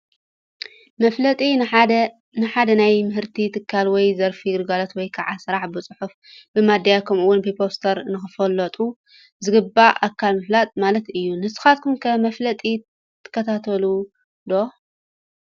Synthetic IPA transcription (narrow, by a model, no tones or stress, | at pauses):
ɐflɐt̪ʼi | nɨħad̪ɐnajmɨɦɨɾt̪ʰit̪ʰɨkʰːalwɔjzɐɾfiɡɨɾɡalot̪wɔjkʰaʕasɨɾaħbɨt͡sʼɨħuf | b̥ɨmad̪ːajakʰɐmʔɨwʊnbɨpʰo̞st̪ʰɐɾnɨxɨfɐlːɐt̪ʼu | zɨɡɨbːaʔakʰːalmɨflat̪ʼmalɐt̪ɨjːunɨsɨ̥xat̪̚kʰumkʰɐmɐflɐt̪ʼi | t̪ʰːɨ̥kːɐt̪ʰat̪ʰɐlu | d̪o̞